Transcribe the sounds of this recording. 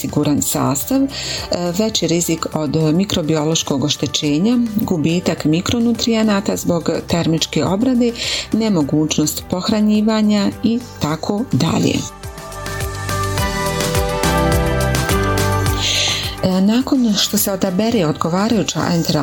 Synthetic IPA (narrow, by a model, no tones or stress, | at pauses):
siɡuɾansa̰ːst̪aʋ | ʋe̞t͡ɕiɾiziko̞d̪mikɾo̞bio̞lo̞ʃko̞ɡo̞ʃt̪e̞t͡ɕe̞ːɲaɡubiːt̪akmikɾo̞nut̪ɾienaːt̪azbo̞ɡt̪e̞ɾmit͡ʃke̞ʔo̞bɾad̪e̞ne̞mo̞ɡuːt͡ʃno̞st̪po̞xɾaɲiːʋaːɲait̪akʰo̞ːd̪a̰ʎḛ | naːko̞nʃt̪o̞se̞o̞d̪abeɾeo̞d̪ɡo̞ʋaːɾajuːt͡ɕa̰ʔent̪eɾ